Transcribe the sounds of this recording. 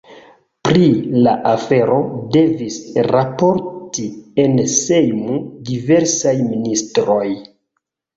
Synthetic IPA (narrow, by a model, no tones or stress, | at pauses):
pɾilaʔafe̞ɾo̞de̞visɾapo̞ɾtie̞nsejmudive̞ɾsajministɾo̞j